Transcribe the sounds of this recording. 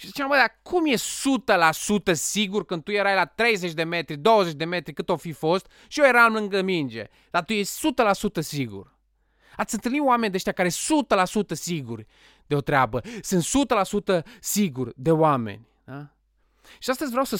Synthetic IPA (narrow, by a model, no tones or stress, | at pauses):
ʃisət͡ʃemaməd̪akʰumjessut̪əlasut̪əsiɡurkɨnd̪̚t̪ujeɾajlat̪ɾejzet͡ʃd̪eme̞t̪ɾid̪o̞wəzet͡ʃd̪emet̪ɾikɨt̪ofifo̞st̪̚ | ʃijojeɾamlɨŋɡəmind͡ʒḛ | lat̪ujesʲsut̪əlasut̪əsiɡṵr | at̪sʲɨnt̪ɨlniwamenʲd̪eʃt̪jakaɾeessut̪əlasut̪əsiɡurʲ | d̪eot̪ɾʲeabəsɨnt̪sut̪əlasut̪əsiɡurʲd̪e̞oamḛnʲa | ʃiast̪əzʲvɾʲeawsə